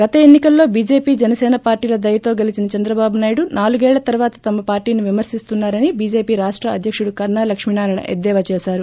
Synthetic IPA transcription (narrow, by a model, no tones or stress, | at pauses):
ɡ̥ɐt̪ɐenːikɐlːo̞ːbiːd͡ʒe̞ːpiːd͡ʒɛnɐsɛːnɐpaːɾʈiːlɐd̪ɐjɐt̪o̞ːɡɐlit͡ʃinɐt͡ʃɐnd̪ɾɐbaːbunaːjiɽunaːluɡɛːɭlɐt̪ɐɾʋaːt̪ɐ̥t̪ɐmɐpaːɾʈiːniʋimɐɾsist̪unːaːɾɐnibiːd͡ʒe̞ːpiːɾaːʂʈɾɐɐ̰d̪ʱjɐkʂuɽukɐɾɳaːlɐkʂminaːɾɐɳɐ̰ʔḛd̪ːɛːʋɐt͡ʃɛːʃaːɾu